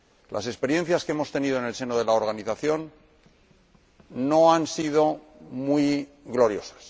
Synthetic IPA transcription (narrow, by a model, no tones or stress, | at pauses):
lʔa̰se̞spe̞ɾje̞nθjaskee̞mo̞st̪e̞niðoenelse̞noð̞e̞laoɾɣ̞aniθaθjo̞n | o̞ansiðo̞ | mwui | ɣlo̞ɾjo̞sḁs